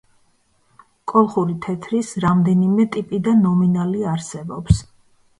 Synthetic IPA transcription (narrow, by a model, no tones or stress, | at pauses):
kʼɔlˠχuɾit̪ʰɛt̪ʰɾisɾamd̪ɛnimɛt̪ʼipʼid̪anːɔminaliaɾsɛbɔps